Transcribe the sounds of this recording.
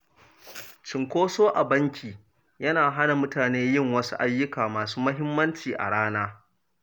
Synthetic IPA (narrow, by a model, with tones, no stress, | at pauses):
t͡ʃɪ˨ŋkʷoː˦soː˦ʔa˨bɐ˦ŋkʲiː˨ | jɐ˦naː˨ɦa˦na˨mʊ˦taː˨neː˦jɪ˦˨ŋwɐ˦sṵ˦ʔa˦jːʊ˦kaː˨maː˨suː˦mɐ˦ɦɪ˦mːɐ˦nt͡ʃiː˨ʔa̰˨ɽaː˦naː˦